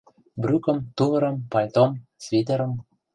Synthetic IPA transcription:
bɾʲykɤ̆mt̪uvɤ̆ɾɤ̆mpɑjʲt̪omsvʲid̪ĕɾɤ̆m

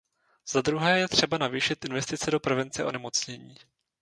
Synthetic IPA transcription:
z̥ad̪ɾuɦɛːjɛt̪r̝̥ɛbanaviːʃɪt̪ʔɪnvɛst̪ɪt͡sɛdo̞pɾɛvɛnt͡sɛʔo̞̰nɛmo̞t͡sɲɛɲiː

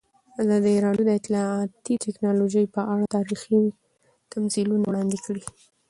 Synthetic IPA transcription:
azɑd̪iɾɑɽjud̪əɪt̪lɑɑt̪it̪ɛknɑloʒəjpəʔaɽat̪ɑɾixi | t̪ʰamzilunawɽɑnd̪ikəɽi

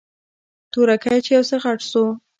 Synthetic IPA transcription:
t̪uɾakajt͡ʃejawsəxaʈso

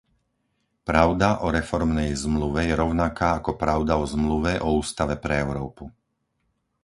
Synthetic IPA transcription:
pɾaʊd̪aʔɔɾɛfɔɾmnɛjzmluʋɛjɛɾɔʊnakaːakɔpɾaʊd̪aɔzmluʋɛʔɔuːst̪aʋɛpɾɛɛʊɾɔːpu

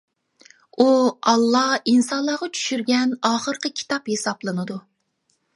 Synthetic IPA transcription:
uɑlˠːɑhinsɑnlˠɑːʁɑt͡ʃʰy̥ʃyɾɡʲɛnɑːχəɾqəkʲʰi̥t̪ʰɑphesɑplˠɨnɨd̪u

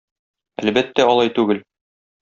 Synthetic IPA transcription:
æ̰lbæt̪ːæɒlˠɑjt̪ʉɡɘl

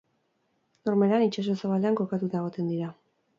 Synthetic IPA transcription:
no̞ɾmeɾanit͡ʃas̬osaβale̞aŋko̞kat̪ut̪aeɣ̞o̞t̪e̞nd̪iɾa

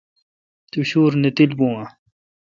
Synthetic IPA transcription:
t̪uɕuːɾnet̪ilbũa

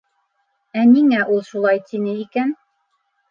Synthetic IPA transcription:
æniŋæʔulˠʃulˠɑjt̪inɘikæn

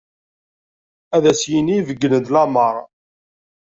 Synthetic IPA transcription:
æðæsjinijvəɡːənəd̪lɑməɾˤ

